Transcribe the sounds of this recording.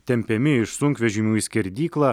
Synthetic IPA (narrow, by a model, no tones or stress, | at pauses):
t̪ʲɛmʲpʲɛmʲɪɪʃsʊŋkʋʲɛʒʲɪmʲuːisʲkʲɛɾʲd̪ʲiːklˠɑː